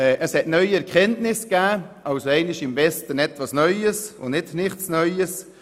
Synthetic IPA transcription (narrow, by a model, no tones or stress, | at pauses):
ɛʔəshɛtnœʏɛɾkχɛntnɪskæːʔɑʊsoɛɪnɪʃɪmvɛstənɛtvɑsnœʏəsʊ̰nnɪtnɪχtsnœʏəs